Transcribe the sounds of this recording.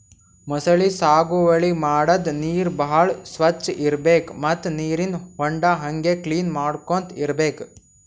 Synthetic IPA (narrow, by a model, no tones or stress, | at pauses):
mɔsɐɭisaːɡuʋɐɭimaːɽɐd̪niːɾbɐɦɐɭsʋɐt͡ʃːʔiɾbeːkmɐt̪ːniːɾinhɔɳɖɐɦɐŋɡekliːnmaːɽkont̪iɾɐbeːk